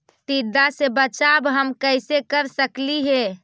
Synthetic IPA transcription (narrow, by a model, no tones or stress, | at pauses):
t̪id̪asebət͡ʃabɦəmkəɪsekəɾsəkliɦe